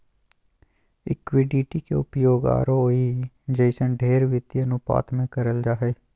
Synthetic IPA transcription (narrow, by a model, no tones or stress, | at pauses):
ɪ̰kwɪɖiːʈikḛʊpjoːɡa̰ːɾoi | d͡ʒəɪsə̃nɖʱeːɾʋɪt̪ːjənʊpa̰ːt̪ʰmẽkəɾəld͡ʒaːɦeː